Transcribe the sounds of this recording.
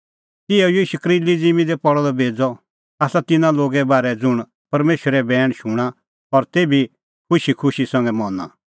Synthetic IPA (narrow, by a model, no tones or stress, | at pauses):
t̪ɪɛjiːʃukɾilid͡zimĩd̪ɛpɔɽɔlɔbʱeːd͡zɔ | aːsat̪ɪnãloːɡɛbaːɾɛd͡zʊɽ̃ | pɐɾmeːʃəɾɛbɛːɽ̃ʃʊɽ̃a | ɔɾt̪eːbi | kʰʊʃikʰʊʃisɐ̃ŋɡɛmɔna̰